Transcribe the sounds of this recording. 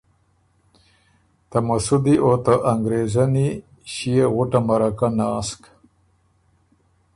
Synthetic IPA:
t̪amasud̪iʔot̪aʔaŋɡɾezani | ʃijeɣʊʈamaɾakanaːsk

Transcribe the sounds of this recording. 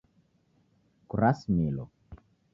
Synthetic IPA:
kuɾasmilo̰

